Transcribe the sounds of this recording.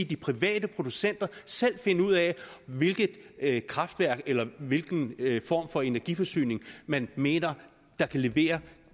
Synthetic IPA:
d̥ipʰʁiʋɛ̰ːd̥əpʰʁo̝d̥usen̰d̥ɐsel̰fe̝nəuð̞̰ˠɛʋe̝lɡ̥ð̩ˠkʰʁɑ̈fd̥ʋæɐ̰ɡ̥elɐʋe̝lɡ̥n̩fɒ̰ːmfɒ̽e̝næɐɡ̥ifɒ̽sy̰ːne̝ŋmænme̝̰ːnɐ | d̥ɑ̈kʰæle̝ʋe̝̰ːɐ

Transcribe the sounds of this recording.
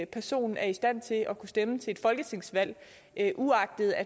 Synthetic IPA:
pʰæɐso̝̰ːnn̩æɐisd̥æn̰t͡sʰe̝ʔɒ̽kʰusd̥emət͡sʰe̝ed̥fɒ̽lɡ̥ət͡sʰe̝ŋ̰sʋæl̰ | ʔuɑ̈ɡ̥̚d̥ð̩ˠæ

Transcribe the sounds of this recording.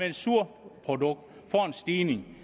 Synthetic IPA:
eensuɐ̰pʰʁo̝d̥ɔ̽ɡ̥̚d̥ | fɒensd̥iːne̝ŋ

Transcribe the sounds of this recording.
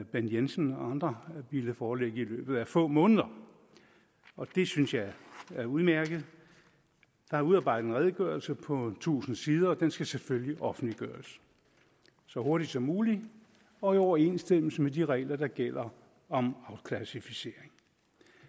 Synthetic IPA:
b̥enjensənɒɑ̈nd̥ʁɐʋiləfɒːleɡ̥əilø̰ːb̥ð̩ˠæfɔ̰̽ːmɔ̽ːnəð̞ˠɐ | ɒ̽d̥e̝synsjɑ̈ɪæɐuðˠmæɐɡ̥ð̞̩ˠ | d̥ɑ̈hɑ̈uðˠɑ̈ːbɑ̈ɪ̰d̥ð̩ˠenʁɛð̞ˠəɡ̥ɶɐlsəpʰɒ̽t͡sʰṵːsn̩siːð̞ˠɐːd̥ensɡ̥æseføljiʔɒ̽fn̩d̥liɡ̥ɶːɐs | sɒ̽ho̝ɐɾ̥id̥sɒ̽mːuːli | ɒ̽iɒʊɐe̝nsd̥em̰l̩səmediʁɛ̰ːɪlɐd̥ɑ̈ɡ̥el̰ɐ | ɒ̽mɑ̈ʊkʰlæsifise̝̰ɐeŋ

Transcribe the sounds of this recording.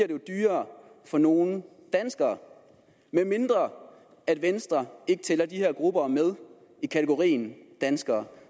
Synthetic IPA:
iɐɾ̥ed̥yːɐːfɒ̽no̝ːn̩ | d̥ænsɡ̥ɐː | menme̝nd̥ʁɐ | æd̥ʋensd̥ʁɐe̝ɡ̥ət͡sʰelɐd̥iheɐ̰ɡ̥ʁub̥ɐmeð̞ˠ | ikʰæt͡sʰeɡ̥o̝ʁḭːn̩d̥ænsɡ̥ɐː

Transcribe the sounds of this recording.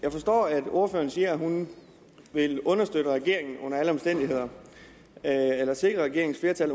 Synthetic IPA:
jɑ̈ɪfɒ̽sd̥ɒ̰ːæd̥o̝ɐfø̰ːɐnsiːɐæɦun | ʋe̝lɔ̽nɐsd̥ød̥əʁaɡ̥e̝ɐ̰eŋn̩ɔ̽n̰ɐæləɒ̽msd̥en̰d̥ihe̝ð̰ˠɐ | elɐse̝ɡ̥ʁɐʁaɡ̥e̝ɐ̰eŋn̩sfle̝ɐt͡sʰæl̰

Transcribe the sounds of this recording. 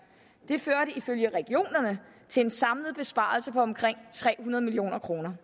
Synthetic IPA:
d̥e̝føɐɾəiføljəʁɛɡ̥io̝̰ːnɐnə | t͡sʰe̝e̝nsɑ̈mləð̞̩ˠb̥e̝sb̥ɑ̰̈ːlsəpʰɒ̽ɒ̽mkʰʁeŋ̰t͡sʰʁɛ̰ːɦunɐðˠmilio̝̰ːnɐkʰʁo̝ːnɐ

